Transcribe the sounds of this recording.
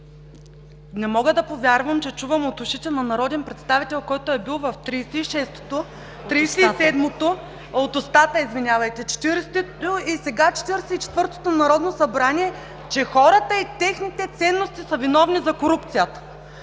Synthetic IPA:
nɛmɔɡəd̪ɐpovʲjaɾvəmt͡ʃɛt͡ʃuvəmot̪ʊʃit̪ɛnɐnɐɾɔd̪ɛnpɾɛt̪st̪avit̪ɛlˠkɔjt̪oɛbilˠvɐft̪ɾisɛiʃɛst̪o̥t̪o | t̪ɾijsɛisɛd̪mot̪o | ot̪ost̪at̪əizvinʲjavɐjt̪ɛt͡ʃɛ̥t̪iɾɛst̪oisɛɡat͡ʃɛ̥t̪iɾɛsɛit͡ʃɛ̥t̪vɤɾt̪o̥t̪onɐɾɔd̪nosɐbɾaniɛ | t͡ʃɛxɔɾɐt̪əit̪ɛxnit̪ɛt̪sɛnːost̪isɐvinɔvnizɐkoɾup̚t̪sijət̪ə̥

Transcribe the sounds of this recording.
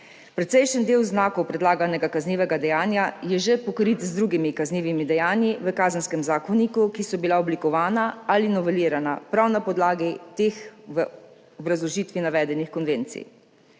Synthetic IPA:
pɾɛt̪sɛjʃənd̪eːwznaːkɔwpɾɛd̪laːɡanɛɡakazniːʋɛɡad̪ɛjaːnjajɛʒepɔkɾit̪zd̪ɾuːɡimikazniːʋimid̪ɛjaːnjiʋəkaːzənskɛmzaːkɔnikukisɔbilaɔblikɔʋaːnaalinɔʋɛliːɾana̰pɾawnapɔd̪laːɡit̪eːxʋə | ɔbɾazlɔʒiːt̪ʋinaʋɛːd̪ɛnixkɔnʋeːnt̪sḭ

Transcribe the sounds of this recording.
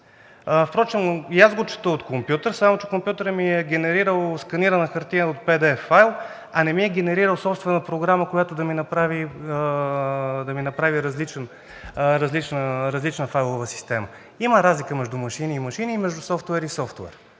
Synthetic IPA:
fpɾɔt͡ʃɛmjazɡot͡ʃɛ̥t̪əlˠot̪kompjut̪əɾsamot͡ʃɛ̥kompjut̪əɾəmiɛɡʲɛnɛɾiɾəlˠskɐniɾənəxɐɾt̪iəot̪̚pɛd̪ɛfajlˠ | ɐnɛmiɛɡɛnɛɾiɾəlˠsɔpst̪vɛnəpɾoɡɾaməkojat̪od̪ɐminɐpɾavi | d̪ɐminɐpɾaviɾɐzlit͡ʃɛn | ɾɐzlit͡ʃnəɾɐzlit͡ʃnəfajlˠovəsi̥st̪ɛmə | iməɾazlikəmɛʒd̪umɐʃiniːmɐʃinimɛʒd̪usɔft̪ɛɾisɔft̪wɛ̰ɾ

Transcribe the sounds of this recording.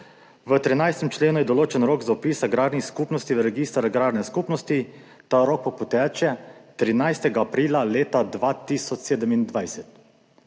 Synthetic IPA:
ʋət̪ɾinajst̪ɛmt͡ʃleːnujɛd̪ɔloːt͡ʃɛnɾoːkzaɔpiːsaɡɾaːd̪nixskuːpnɔst̪iʋəɾɛɡist̪ɾaɡɾaːdnɛskuːpnɔst̪i | t̪aɾoːk̚pɔpɔt̪ɛt͡ʃɛt̪ɾinajst̪ɛɡaːpɾiːlaleːt̪ad̪ʋat̪isɔt͡ʃseːd̪ɛmind̪ʋajsɛt̪

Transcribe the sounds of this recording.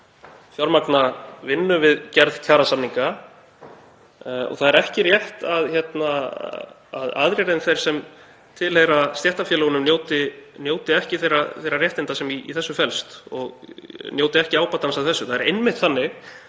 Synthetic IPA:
fjɔɾmaknavɪnːʏvɪðcɛɾðcʰaːɾasanːiŋka | ɔ̰ɣθaðɛɾɛhcɪrjɛht̪aðçɛt̪na | aða̰ðɾjɛɾenθejɾ̥sɛm | t̪ʰɪlhejɾast̪jɛht̪afjɛːlɛɣʏnʏmnjoːwt̪ɪnjoːwt̪ɪɛhcɪθejraθejɾarjɛht̪ɪnt̪asɛmḭːθɛsːʏfɛlst̪ɔɣnjoːwt̪ɪɛhcɪaːwpaːt̪ːansawθɛsːʏθaðɛɾḛjnmɪht̪θanːɪɣ

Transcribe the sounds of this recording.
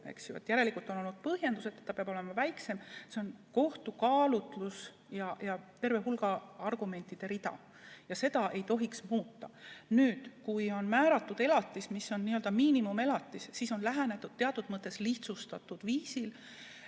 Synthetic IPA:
ḛksjuvɑ̰t̪ːjæɾe̞likult̪ono̞lnud̪̥̚pɤhjend̪use̞t̪ːˑet̪ːɑpeɑb̥o̞le̞mɑvæjkse̞mseo̞nko̞ht̪ukɑːlut̪ˑlus | jɑjɑt̪e̞rve̞ɦulɡ̥ɑɑrɡ̥ume̞nʲt̪ːˑid̪̥e̞ɾid̪̥ɑ̰ | jɑse̞d̪̥ɑʔe̞jt̪o̞ɦiksmuːt̪ːɑnyːd̪̥kujo̞nmæːɾɑt̪ˑːud̪̥e̞lɑt̪ːˑismisːo̞nniːøld̪ɑmiːnimume̞lɑt̪ːˑisːiso̞nlæɦænet̪ːˑud̪̥t̪ːeɑt̪ːˑud̪̥mɤt̪ːˑe̞sliht̪sust̪ɑt̪ːˑud̪̥viːsil

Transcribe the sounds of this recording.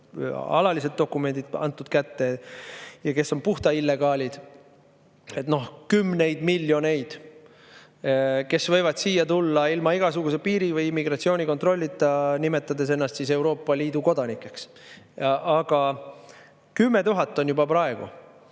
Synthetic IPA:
ɑ̰lɑlised̪̚o̞kːˑume̞nd̪̥id̪̚ɑ̰nt̪ːˑud̪̥kæt̪ːe̞ | jɑke̞so̞npuht̪ɑilːe̞ɡɑːlʲid̪̥ | e̞t̪no̞hkymːne̞jd̪̥milʲːjo̞ne̞jd̪̥ | ke̞svɤ̞jvɑd̪̥siːjɑt̪ulːɑilmɑiɡ̥ɑsuɡ̥us̬e̞piːɾivɯjimːiɡ̥rɑt̪sio̞ːnʲiko̞nt̪ro̞lʲːit̪ːˑɑnime̞t̪ːˑɑd̪e̞s̬e̞nːɑst̪sise̞wɾo̞ːpːˑɑliːd̪̥uko̞d̪̥ɑnikːˑe̞ks | ɑɡ̥ɑ | kymːe̞t̪uɦɑt̪ːˑo̞njubɑpɾɑe̞ɡ̥ṵ

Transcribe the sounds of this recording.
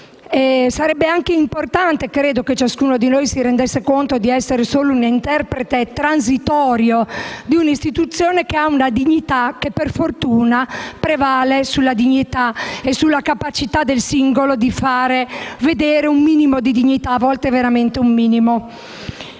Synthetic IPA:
ɛsaɾɛbːeaŋkeimport̪ant̪ekɾeːd̪oket͡ʃaskuːnod̪inojsiɾend̪esːekont̪od̪iɛsːeɾesoːlounint̪ɛrpɾet̪et̪ɾans̬it̪ɔːɾjod̪iunist̪it̪ut̪sːjoːnekeaunad̪iɲːit̪ak̟ːepːerfort̪uːnapɾevaːlesulːad̪iɲːit̪aesulːakapat͡ʃit̪ad̪elsiŋɡolod̪ifaːɾeved̪eːɾeumːiːnimod̪id̪iɲːit̪avɔlt̪eveɾament̪eumːiːnimo

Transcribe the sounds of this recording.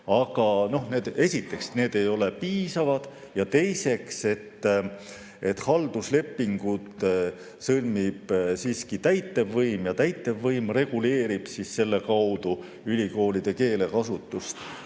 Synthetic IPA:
ɑɡ̥ɑno̞hne̞ːd̪e̞sʲit̪ːˑe̞ksne̞ːd̪̥e̞jo̞le̞piːsɑvɑd̪̥ | jɑt̪e̞jse̞kse̞t̪ː | e̞t̪ːhɑld̪̥usle̞pːiŋɡ̥ut̪ | sɤlmib̥siːskit̪æjt̪ːevːɤjmjɑt̪æjt̪ːˑe̞vːɯjmre̞ɡ̥ule̞ːɾib̥sisse̞lːe̞kɑwd̪̥u | ylʲiko̞ːlid̪̥e̞ke̞ːle̞kɑsut̪ːˑust̪

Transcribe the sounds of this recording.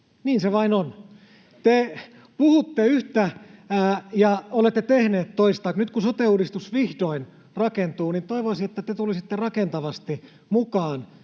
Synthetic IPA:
niːnseʋɑinon | t̪e | puhut̪ːeyht̪æː | jɑolet̪ːet̪ehneːt̪toist̪ɑːknyt̪kusot̪euːdist̪usʋihdoin | rɑkent̪uːnint̪oiʋoisiet̪ːæt̪et̪ulisit̪ːerɑkent̪ɑʋɑst̪i | mukɑːn

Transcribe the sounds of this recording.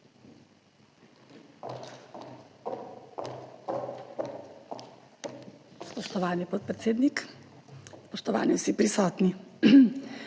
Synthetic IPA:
spɔʃt̪ɔʋaːnipɔt̪̚pɾɛt̪seːd̪nik | spɔʃt̪ɔʋa̰ːniwsipɾisɔːt̪ni

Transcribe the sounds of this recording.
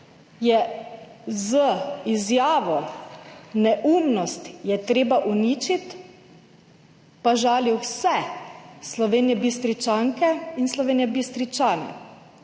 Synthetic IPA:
jɛ | zəizjaːʋɔ | nɛʔumnɔst̪jɛt̪ɾeːbaʔuniːt͡ʃit̪ | paʒaːliwsɛslɔʋeːnjɛbist̪ɾit͡ʃaːŋkɛinslɔʋeːnjɛbist̪ɾit͡ʃaːnɛ̰

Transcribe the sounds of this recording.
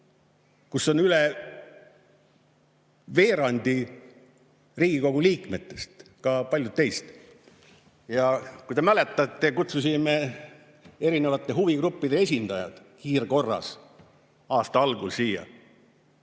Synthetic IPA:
kuso̞nyle | ve̞ːɾɑnʲd̪̥i | riːɡiko̞ɡ̥uliːkme̞t̪ːe̞st̪kɑpɑlʲjud̪̚ːe̞jst̪ | jɑkujt̪emæle̞t̪ːˑɑt̪ːekut̪sus̬ime | e̞ɾinevɑt̪ːˑe̞ɦuviɡɾupːid̪̥e̞esʲind̪̥ɑjɑ̰d̪̥ | kiːrko̞rːɑ̰s | ɑːst̪ɑɑlɡ̥ulsiːjɑ̰

